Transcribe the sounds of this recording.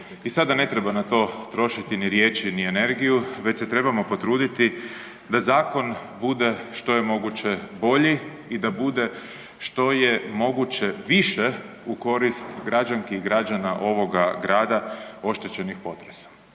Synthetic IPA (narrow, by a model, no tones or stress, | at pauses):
isad̪ane̞t̪ɾe̞banat̪o̞ːt̪ɾo̞ʃit̪iniɾjeːt͡ʃiniene̞ɾɡijuʋe̞t͡ɕse̞t̪ɾe̞bamo̞po̞t̪ɾuːd̪it̪i | d̪azaːko̞nbud̪e̞ʃt̪o̞je̞mo̞ɡut͡ɕebo̞ʎi | id̪abud̪e̞ | ʃt̪o̞je̞mo̞ɡut͡ɕeʋiʃe | uko̞ɾist̪ɡɾad͡ʒaŋkiɡɾad͡ʒanaʔo̞ʋo̞ɡaɡɾaːd̪ao̞ʃt̪et͡ɕe̞nixpo̞t̪ɾesḁ